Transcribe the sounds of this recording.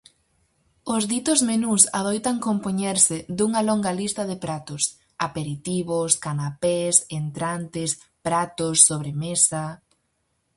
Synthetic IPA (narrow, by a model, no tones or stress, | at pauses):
ʊzðit̪ʊzmenusa̰ð̞ojt̪aŋkompoɲɛɾsɪd̪uŋɐloŋɡɐlist̪ɐðɪpɾat̪ʊs | apeɾit̪iβoskanapesent̪ɾant̪ɪspɾat̪ʊsːoβ̞ɾemesa